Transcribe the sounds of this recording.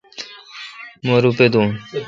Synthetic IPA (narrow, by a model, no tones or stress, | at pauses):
moɾuped̪un